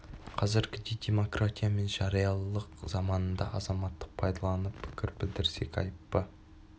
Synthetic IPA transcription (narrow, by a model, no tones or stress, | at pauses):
qʰɑzɪɾɡʲɪd̪e̞jd̪e̞mo̞krat̪ʲijame̞nʒɑɾijɑlˠəqzɑmɑnənd̪ɑʔɑzɑmɑt̪ːəq̚pʰɑjd̪ɑlˠɑnəppʰːɪ̥kʲɪɾbɪld̪ɪɾse̞kʲɑ̰jəpːə